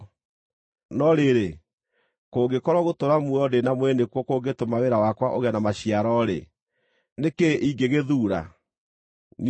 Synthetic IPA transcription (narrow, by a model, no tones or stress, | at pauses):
nɔɾeɾe | koːɡekɔɾɔɣotoɾamuɔdenamwɛnekwɔkoɡetomaweɾawakwaʔoɣɛnamaɕiaɾɔɾḛ | nekeiɡeɣeðuːɾa̰ | n